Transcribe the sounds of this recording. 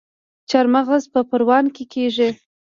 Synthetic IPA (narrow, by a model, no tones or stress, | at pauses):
t͡ʃaɾmaɣazpəpəɾwɑnkekʰeʒi